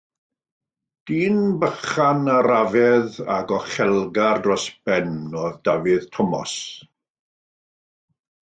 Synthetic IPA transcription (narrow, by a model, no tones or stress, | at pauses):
d̥iːnbəχanəɾavɛða̰ɡɔχɛlˠɡardrɔsb̥ɛnːɔðd̥avɨðtʰɔmɔ̰s